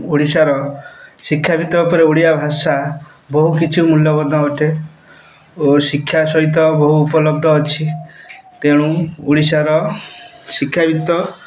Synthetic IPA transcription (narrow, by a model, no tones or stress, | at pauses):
uɽisaɾɔsikʰːjabit̪ɔupɔɾeuɽijabʱasa | bɔɦukit͡ʃʰumuljɔbɔd̪ʱɔoʈe | osikʰːjasɔɦit̪̬ɔbɔɦuːpɔlɔb̚d̪ʱɔːt͡ʃʰit̪eɽ̃ũuɽisaɾɔ | sikʰːjabʱit̪ɔ